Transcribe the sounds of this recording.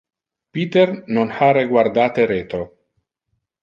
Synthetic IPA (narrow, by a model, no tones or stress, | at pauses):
piːt̪ernonhaɾeɡward̪aːt̪eɾeːt̪o